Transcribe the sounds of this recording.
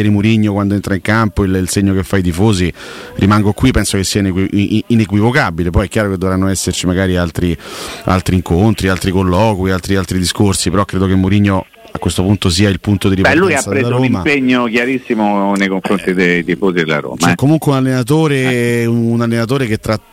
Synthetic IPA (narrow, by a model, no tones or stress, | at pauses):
ɛɾemuɾiɲːokwand̪oent̪ɾaiŋkampoililseɲːokefːait̪̬ifoːzi | rimaŋɡokwipːɛnsokesːianekwiinekwivokabilepɔjɛkʲːjaːɾoked̪ːovɾanːoɛsːert͡ʃimaɡaːɾialt̪ɾia̰lt̪ɾiːŋkont̪ɾialt̪ɾikolːɔːkwialt̪ɾialt̪ɾid̪iskorsipeɾɔkːɾeːd̪okemːuɾiɲːo | akwest̪opunt̪os̬iːailpunt̪od̪iɾipbɛlːujaaɾed̪aɾoːmimapeɲːokjaɾisːimonejkoɱfɾont̪id̪ejt̪ifozid̪ela̰ɾo̰ːmt͡ʃaɛɛkːomuŋkweunalːenat̪̬oːɾeuunalːenat̪̬oːɾeket̪ːɾa